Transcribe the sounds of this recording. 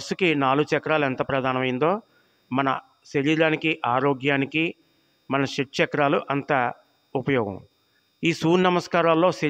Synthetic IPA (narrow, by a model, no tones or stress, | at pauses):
ɐsukinaːluɡut͡ʃɛkɐɾaːlɐnt̪ɐpɾɐd̪ʱaːnɐmɐjind̪o̞ː | mɐnɐ̰ | ʃeɾjilaːnikiʔaːɾoːɡjaːniki | mɐnɐʃeʈ̚t͡ʃɛkɐɾaːluʔɐnt̪aː | upɐjɔːɡɐ̰̃m | iːsuːɾnɐmɐskaːɾaːllo̞ːse